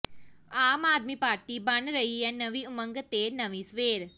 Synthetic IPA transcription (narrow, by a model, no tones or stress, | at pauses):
aːmaːd̪miːpaːɾʈibɐnɾɐɦiɦɛnɐʋiʊmə̃ŋɡt̪eːnɐʋĩsʋeːɾ